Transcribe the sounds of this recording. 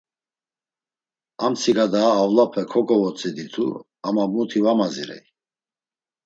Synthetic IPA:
amt͡sʰiɡad̪aːvlapʰɛkʰɔkʼɔvɔt͡sʰʼɛd̪it̪ʰṵ | amabut̪ʰivamaziɾɛ̰i

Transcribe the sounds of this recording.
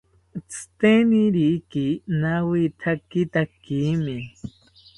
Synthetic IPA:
t͡sʰɨ̥t̪eniɾikinawit̪ʰakit̪akimi

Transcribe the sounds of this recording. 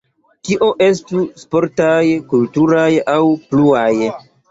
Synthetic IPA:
kiʔo̞ʔe̞stuspo̞ɾtajkultuɾajawpluaj

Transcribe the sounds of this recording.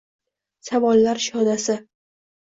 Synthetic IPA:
savɒlːaɾʃɒd̪asɪ

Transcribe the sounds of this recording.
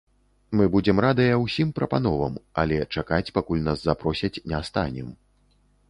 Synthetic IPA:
mɨbud͡zʲɛmrad̪ɐjɐwsʲimpɾɐpan̪ɔvɐ̰mɐ̰lʲɛt͡ʂakat͡sʲpakulʲnaszapɾɔsʲɐt͡sʲnʲɛst̪a̰nʲɛ̰m

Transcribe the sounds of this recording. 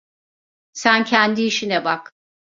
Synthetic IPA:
sæncʰænd̪iːʃinɛbak

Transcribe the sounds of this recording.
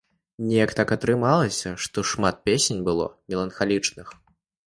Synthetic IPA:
nʲɛjɐkt̪akɐt̪ɾɨmalˠɐsʲɐʂt̪ɔʂmat̪̚pʲesʲenʲbɨlˠɔ̰mʲɛlˠɐnxalʲit͡ʂnɨx

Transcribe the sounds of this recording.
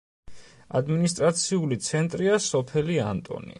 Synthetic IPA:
a̰d̪minist̪ʼɾat̪sʰiulit̪sʰɛnt̪ʼɾiasɔpʰɛlia̰nt̪ʼɔ̰nḭ

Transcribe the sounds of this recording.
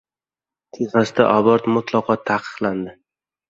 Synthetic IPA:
t̪ʰeʁasɪd̪a̰ʔɒbɒɾt̪mʊt̪ʰlˠɒqʰɒt̪ʰːaqʰɨ̥qlˠand̪ɪ

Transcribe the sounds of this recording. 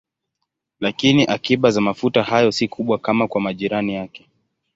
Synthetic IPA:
lakiniʔakiɓazamafutahajɔsikʰuɓwakamakwamaʄiɾanijakɛ̥

